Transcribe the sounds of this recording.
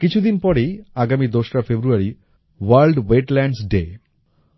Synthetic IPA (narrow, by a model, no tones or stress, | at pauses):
kit͡ɕʰud̪inpɔɽejaɡamid̪oʃʈafʰebɾuaɾi | waɾlɖweʈlɛɳɖsɖe